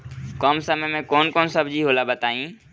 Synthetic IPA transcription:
kɔːmsəməjmẽkɔːnkɔːnsəbd͡ʒiɦoːlabət̪aːĩː

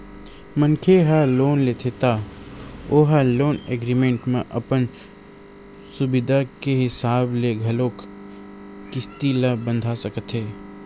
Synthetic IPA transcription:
mə̃nkʰeɦaloːnleːt̪ʰet̪aː | oɦəloːneːɡɾimẽɳʈmẽʔɐpən | sʊbɪd̪ʱakeɦɪsaːbleɡʱɐloːk | kɪst̪ilɐbə̃nd̪ʱasəkət̪ɦeː

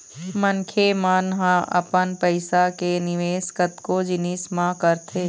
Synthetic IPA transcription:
məŋkʰemaːnɦãʔɐ̰pənpɐɪsakenɪʋeːskət̪kod͡ʒɪniːsmãkəɾt̪ʰeː

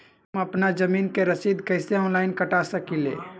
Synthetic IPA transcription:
mɐpnad͡ʒəmiːnkeɾəsiːd̪kɛɪseɔ̃ːnlaːɪnkəʈasəkilḛː

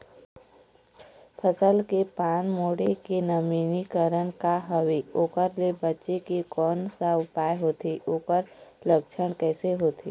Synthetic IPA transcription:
pʰəsəlkepaːnmoːɽekenəmiːnikəɾənkaɦəʋeoːkəɾlebətːʃekekɔːnsaʊpaːeɦoːt̪eʔoːkəɾləkt͡ʃʰəɳ̃kɛːseɦoːt̪ʰeː

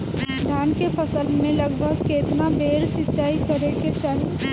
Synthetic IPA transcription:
d̪ʱaːnkepʰəsəlmẽləɡbʱəɡkeːt̪nabeːɾsɪtːt͡ʃaːikəɾeket͡ʃaːɦi

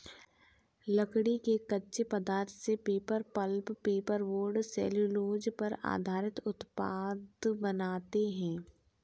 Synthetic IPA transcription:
lɐkɽikekɐtːʃepɐd̪aːɾt̪ʰsepeːpəɾpəlppeːpəɾʋoːɾɖsɛ̰ːluloːd͡ʒpɐɾa̰ːd̪ʱaːɾɪt̪ʊt̪paːd̪bɐnaːt̪eɦɛ̃ː

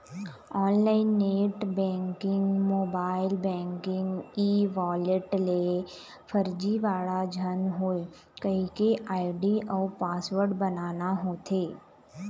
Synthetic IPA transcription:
ɔːnlaːɪnːeːʈbɛ̃ːŋkɪ̃ŋɡmoːbaːɪlbɛ̃ːŋkɪ̃ŋɡiːʋɔːleʈle | fʰəɾd͡ʒiʋaːɭad͡ʒʱənɦoːi | kəɦikeʔaːɪɖiʔɔːpaːsʋəɾɖbənaːnaɦoːt̪ʰeː

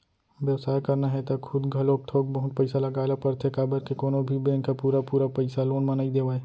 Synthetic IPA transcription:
ʋjəʋsaːjkɐɾnaɦɛt̪ɐkxʰʊd̪ɡʱɐloːk̚t̪ʰoːk̚bɐɦʊt̪̚pɐɪsalɐɡaːlapɐɾt̪ʰekaːbəɾkekoːnõbʱibẽːŋkapuːɾapuːɾapɐɪsaloːnmɐnaːid̪eːʋaːe

